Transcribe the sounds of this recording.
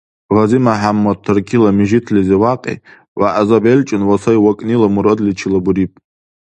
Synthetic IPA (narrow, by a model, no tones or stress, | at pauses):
ʁazimaħamːotʰːɨrkʲʰilamiʒitʰliziwaqʼḛ | waʔazabelʲt͡ʃʼɪnwasajwakʼnilamuɾodlit͡ʃʰilabuɾipʼ